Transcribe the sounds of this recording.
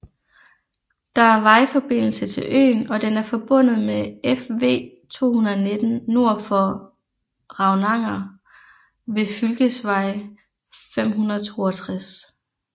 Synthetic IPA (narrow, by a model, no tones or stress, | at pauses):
d̥ɑ̈æɐʋɑ̈ɪfɒ̽b̥e̝n̰l̩sət͡sʰe̝lʔø̰ːnɒ̽d̥enæɐfɒ̽b̥ɔ̽n̰ð̩ˠmeefʋe̝̰ː | t͡sʰo̝̰ːhunɐðˠne̝d̥n̩no̝ɐ̰fɒ | ʁɑ̈ʊnɑ̈ŋ̰ɐ | ʋe̝fylɡ̥əsʋɑ̈ɪ | fem̰ɦunɐð̩ˠt͡sʰo̝̰ːɒt͡sʰʁas